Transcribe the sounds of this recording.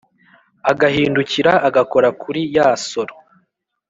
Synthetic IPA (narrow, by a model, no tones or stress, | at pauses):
aɡahiːnduciɾaːɡako̞ɾakʰuɾijaːsoɾo